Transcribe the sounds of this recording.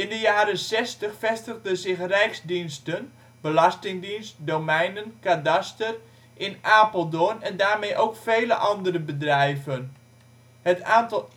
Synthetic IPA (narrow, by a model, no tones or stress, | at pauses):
ɪndəjaːɾənsɛstəxfɛstəɣdəzɪxrɛjksdinstən | bəlɑstɪŋdinst̚dowmɛjnənkadastər | ʔɪnaːpəlˠdonɛndaːrmejʔowkfejləʔɑndərəbədrɛjvən | hətaːntɑ